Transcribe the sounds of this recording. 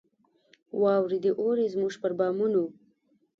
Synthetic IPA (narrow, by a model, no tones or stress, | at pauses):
wɑwɾed̪eʔoɾezmuʒpəɾbɑmunu